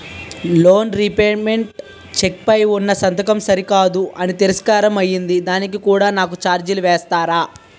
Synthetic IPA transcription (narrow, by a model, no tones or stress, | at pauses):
lo̞ːnɾipeːmeɳʈ | t͡ʃek̚pɐjunːɐsɐnt̪ɐkɐmsɐɾikaːd̪uɐnit̪iɾiskaːɾɐmɐjːind̪id̪aːnik̬ikuːɽaːnaːk̬ut͡ʃaːɾd͡ʒiluʋeːst̪aːɾaː